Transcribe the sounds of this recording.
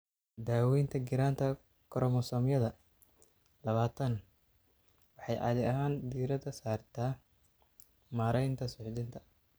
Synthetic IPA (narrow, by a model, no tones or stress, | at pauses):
d̪aːwɛjnt̪ʰɐɡɪɾaːnt̪ʰɐ | kʰɔɾɔmɔsɔːmjɐðɐ | lɐβaːt̪ʰɐn | wɑħɑjʔɑ̰ðɪɐɦaːnd̪iːɾɐðɐsaːrt̪ʰaː | maːɾɛjnt̪ʰɐsʊʕd̪ɪnt̪ʰɐ̥